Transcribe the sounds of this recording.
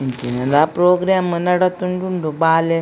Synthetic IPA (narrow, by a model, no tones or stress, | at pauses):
iŋkinɐd̪aːpɾoːɡɾaːmɨnɐɽɐt̪ːuɳɖuɳɖubaːle